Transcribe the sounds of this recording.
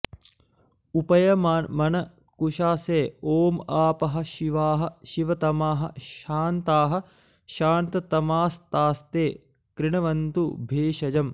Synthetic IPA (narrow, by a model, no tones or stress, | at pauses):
upɐjɐmanmɐnɐ | kuʃaːseːoːmaːpɐɦɐ̆ʃiʋaːɦɐ̆ʃiʋɐt̪ɐmaːɦɐ̰̆ʃaːnt̪aːɦɐ̆ | ʃaːnt̪ɐt̪ɐmaːst̪aːst̪eː | kɾɪɳɐʋɐnt̪ubʱeːʃɐd͡ʒɐm